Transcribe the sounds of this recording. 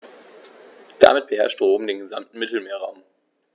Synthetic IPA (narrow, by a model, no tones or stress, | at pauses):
d̥a̰mɪt̚b̥əɦɛɐʃtʁoːbm̩deːnɡəza̰mtn̩mɪtl̩meːɐʁaʊm